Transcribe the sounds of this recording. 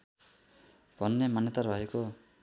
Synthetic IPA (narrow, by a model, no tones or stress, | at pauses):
pɔnːemanet̪aɾbaɦikɔ